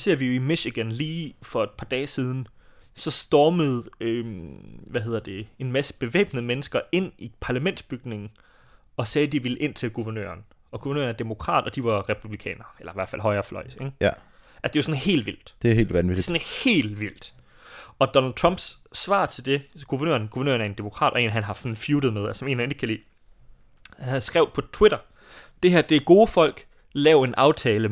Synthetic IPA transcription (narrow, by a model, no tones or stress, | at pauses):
se̝ɐ̰ʋijo̝imiɕiɡ̥ænliːfɒ̽e̝d̥̚pʰɑ̈d̥ɛːsiːð̞ˠn̩sɒ̽sd̥ɒːməð̞̩ˠø | ʋæɦe̝ð̰ˠɐd̥e̝e̝nmæsə̥b̥e̝ʋḛːb̥nəmenəsɡ̥ɐe̝n̰ipʰɑ̈læmen̰d̥sb̥yɡ̥ne̝ŋn̩ | ɒ̽sɛːd̥iʋilʔe̝n̰t͡sʰelɡ̥uʋɐnø̰ːɐn | ʔɒ̽ɡ̥uʋɛɐnø̰ɐnæɐd̥emo̝kʰʁɑ̰̈ːd̥ɒ̽d̥iʋɑ̈ʁɛpʰub̥likʰɛ̰ːnɐelɐiʋæɐ̰̥fæl̰ɦɒ̽ɪɐːflɒ̽ɪ̰seŋ | ʔæsd̥e̝jʊɐsɔ̽nɦe̝̰ːld̥ʋil̰d̥d̥e̝e̝̰ːldʋæni̥sɔnhe̝̰ːl̥ʋil̰d̥ | ɒ̽d̥ɒ̽næld̚t͡sʰʁɑ̽m̰b̥sː | ʋɑ̰̈ːt͡sʰe̝ld̥e̝ɡ̥uʋɐnø̰ːɐnɡ̥uʋɐnø̰ːɐnæɐe̝nd̥e̝mo̝kʰʁɑ̰̈ːd̥ɒ̽e̝̰ːnɦænɦɑ̈sɒn̩fjuːd̥ð̞̩ˠmeðˠæsɒme̝̰ːnæne̝ɡ̥kʰælḭː | hæsɡ̥ʁɛʊ̰̥pʰɒ̽t͡sʰweɾ̥ɐ | d̥e̝ɦæɐ̰d̥e̝ɡ̥o̝ːəfɒ̽l̰ɡ̥ | lɛːʊe̝nʔɑ̈ʊt͡sʰɛːlə